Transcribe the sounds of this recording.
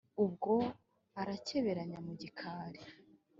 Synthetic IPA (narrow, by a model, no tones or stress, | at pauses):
ubɡo̞ | aɾace̞βe̞ɾaɲamuɟikʰaːɾe